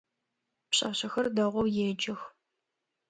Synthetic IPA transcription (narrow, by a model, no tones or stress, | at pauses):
pɕʼɐ̰ɕɐxɐrdɐʁʷɔwjeːd͡ʒɪx